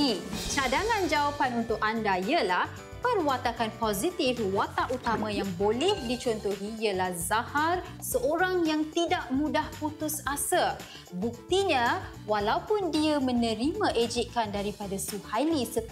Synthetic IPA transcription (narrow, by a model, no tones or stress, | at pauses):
it͡ʃadaŋãnd͡ʒawapanunt̪ʊkandaiəlah | pərwat̪akanpɔzit̪ɪfwat̪aʔut̪amãjaŋbolɛhdit͡ʃɔnt̪oɦiiəlahzahar | səʔoɾaŋjaŋt̪idaʔmũdahput̪ʊsasə | buk̚t̪iɲə̃ | walaupʊndiəmə̃nə̃ɾimãʔed͡ʒip̚kandaɾipadasuhalisə